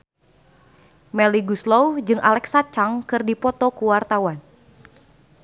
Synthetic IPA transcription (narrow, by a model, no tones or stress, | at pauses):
mɛliɡuslɔwd͡ʒɨŋʔa̰lɛksat͡ʃaŋkɨrdipɔt̪ɔkuwart̪awan